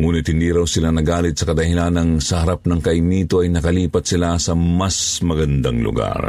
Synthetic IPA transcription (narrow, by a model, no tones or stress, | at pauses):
ŋuːnɪt̪̚hɪnd̪iɾawsɪlanɐɡaːlɪt̪̚sɐkɐd̪ɐhɪlanɐŋsɐhɐɾap̚nɐŋkɐɪmiːt̪oɐjnɐkɐliːpɐt̪sɪlasɐmasmɐɡɐnd̪aŋlʊ̰ɡa̰ɾ